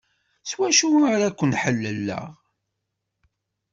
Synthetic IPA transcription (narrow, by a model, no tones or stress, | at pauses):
swæʃuaɾækʷːənħəlːəlːə̰ʁ